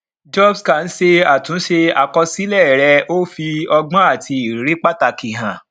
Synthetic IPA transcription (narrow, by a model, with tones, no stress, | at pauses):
d͡ʒɔ˦bskã˨n̩˦ʃe˧a˨tũ˨˦ʃe˧a˧kɔ˧si˦lɛ˦˨ɾɛ˧o˦fi˧ɔ˧ɡ͡bã˦a˦˨ti˧i˨ɾe˦k͡pa˦ta˧ki˨ɦã˨